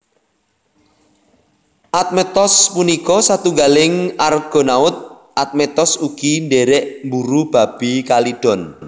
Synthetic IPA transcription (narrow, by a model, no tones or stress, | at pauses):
ʔat̪̚mɛt̪ɔspunikɔsat̪uŋɡalɪŋarɡ̥ɔ̤naʊt̪̚ | ʔat̪̚mɛt̪ɔsuɡ̥inɖeɾɛʔmbuɾub̥a̤b̥ikalid̥ɔ̤n